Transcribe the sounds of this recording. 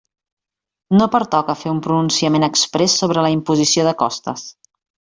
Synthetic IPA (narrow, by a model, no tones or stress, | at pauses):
nopəɾt̪ɔkəfeumpɾununsiəmenəkspɾɛsːoβ̞ɾələimpuzisioðəkɔst̪ə̰s